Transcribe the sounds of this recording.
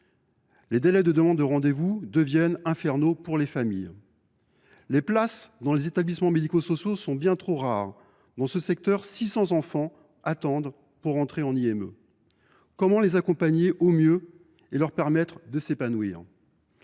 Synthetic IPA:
led̪elɛd̪əd̪əmɑ̃d̪ːəʁɑ̃d̪evud̪əvjɛnɛ̃fɛʁnopuʁlefamij | leplasd̪ɑ̃lezet̪ablismɑ̃med̪ikosɔsjosɔ̃bjɛ̃t̪χoʁaʁ | d̪ɑ̃səsɛk̚t̪œʁsisɑ̃zɑ̃fɑ̃ | at̪ɑ̃d̪ʁ | puʁːɑ̃t̪χeɑ̃niɛmø̰ | kɔmɑ̃lezakɔ̃paɲeʔomjø | elœʁpɛʁmɛt̪χd̪əsepanwḭːʁ

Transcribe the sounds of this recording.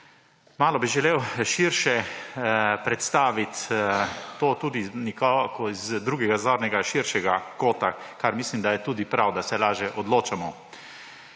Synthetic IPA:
maːlɔbiʒɛleːwʃiɾʃɛ | pɾɛt̪st̪aːʋit̪ː | oːt̪uːd̪inikɔkɔizd̪ɾuːɡɛɡazoːɾnɛɡaʃiɾʃɛɡakoːt̪akaɾmislimd̪ajɛt̪uːd̪ipɾawd̪asɛlaːʒjɛʔɔd̪loːt͡ʃamɔ

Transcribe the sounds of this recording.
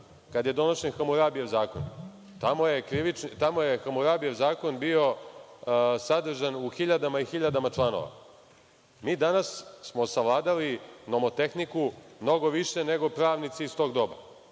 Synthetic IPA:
kad̪jed̪o̞noʃenxamuɾabijeʋzaːko̞̰n | t̪amojekɾiʋit͡ʃnt̪amojexamuɾabijeʋzaːko̞nbio̞ | sad̪r̩ʒanuxiʎad̪amaixiʎad̪amat͡ʃlˠano̰ʋa̰ | miːd̪anassmo̞saʋlˠaːd̪alino̞mot̪e̞xnikumno̞ɡoʋiʃene̞ɡo̞pɾaːʋnit̪siist̪o̞ːɡd̪o̞ba̰

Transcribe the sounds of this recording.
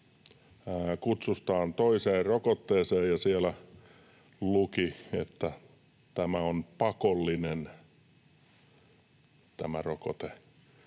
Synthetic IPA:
kut̪sust̪ɑːnt̪oiseːrrokot̪ːeːseːjjɑsielæ | lukiḛt̪ːæ | t̪æmæonpɑkolːinen | t̪æmæroko̰t̪e

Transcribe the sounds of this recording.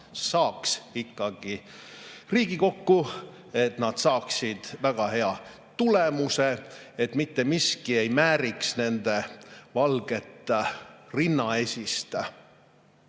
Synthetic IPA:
sɑːksikːɑɡ̥i | riːɡiko̞kːu | e̞t̪nɑd̪̥sɑːksid̪̥væɡ̥ɑɦe̞ɑ | t̪ule̞muse̞et̪mit̪ːe̞miskie̞jmæːɾiksne̞nd̪e̞vɑlɡ̥e̞t̪ːˑ | rinːɑesʲist̪

